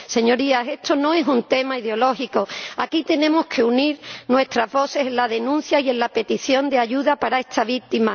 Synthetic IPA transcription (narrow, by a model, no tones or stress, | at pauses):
se̞ɲo̞ɾiase̞st̪o̞nõ̞e̞sunt̪e̞maiðeo̞lo̞xiko̞akit̪e̞nẽ̞mo̞skʰe̞uniɾnwe̞st̪ɾazβo̞se̞senlaðe̞nũn̟θjaie̞nlape̞t̪iθjo̞nd̪e̞aʝuðapaɾae̞st̪ʰaβ̞ik̚t̪ima